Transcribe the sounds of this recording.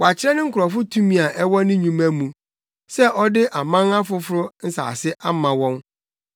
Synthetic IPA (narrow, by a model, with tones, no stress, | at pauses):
wa˨t͡ɕʰɪ˦ɾɛ˦nɪ̃˦ŋ̩˦kʰʊ˨ɾɔ˨fʊ˦tʰu˦mĩ˨a˨ʔɛ˦wɔ˦nɪ̃˦ɲũ˦mæ̃˦mũ˨ | sɛ˦ʔɔ˦dɪ˦ʔa˨mã˦ŋa˦fʊ˨˦fʊ˦ɾʊ˦n̩˦sa̰ː˨sɪ˦ʔa˦mã˨wɔ̃˦n